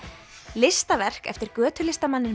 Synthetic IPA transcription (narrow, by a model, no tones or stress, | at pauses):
lɪst̪avɛr̥kɛ̰ft̪ɪɾkœːt̪ʰʏlɪst̪amanːɪn